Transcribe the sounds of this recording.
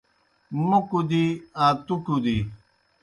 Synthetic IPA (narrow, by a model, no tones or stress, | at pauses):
mukud̪iãːt̪ukud̪i